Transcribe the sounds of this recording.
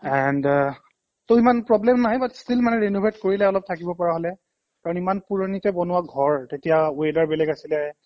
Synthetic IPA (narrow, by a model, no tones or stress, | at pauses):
ɛnd | toʊimanpɹɔblɛmnaɦjbatstilmanɛɹenobʱetkoɹilɛɔlɔp̚tʰakibɔpɔɹaɦolɛ | kaɹɔ̃nimanpuɹonitɛbɔnʊwaɡʱɔɹtetijawedaɹbɛlɛɡasilɛ